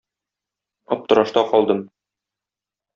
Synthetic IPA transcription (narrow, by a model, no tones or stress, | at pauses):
ɒp̚t̪ɤ̆ɾɑʃt̪ɑqɒlˠd̪ɤm